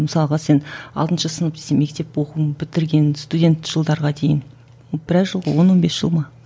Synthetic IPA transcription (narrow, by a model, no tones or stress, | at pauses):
məsɑlˠʁɑse̞nɑ̰lˠt̪ənʃɑsənəp̚d̪e̥seme̞k̚t̪e̞pwoquənbɪt̪ɪɾɡʲe̞nst̪udʲe̞nt̪ʒ̥əlˠd̪ɑɾʁɑd̪ejɪn | obɪɾæʒəlˠʁə̰wo̞nwo̞nbe̞sʒ̥əlˠmɑ